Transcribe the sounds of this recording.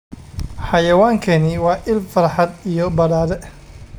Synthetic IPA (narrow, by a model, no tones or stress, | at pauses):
ħɑjɐwaːŋkʰɐnɪwɑːʔɪlfɐrħɑd̪ijɔbɐɾaːðɛ